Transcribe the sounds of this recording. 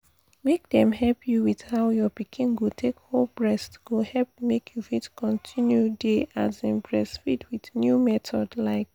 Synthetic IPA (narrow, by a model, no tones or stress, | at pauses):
mek̚dɛ̃mhɛlpʰjuwið̥haʊjɔpikʰĩnɡotʰekholbɹɛstɡ̥ohɛlp̚mekʰjufitkʰɔ̃ntʰĩnjudeʔazĩnbɹɛsfitwiθnjumɛtʰɔdlaɪk̚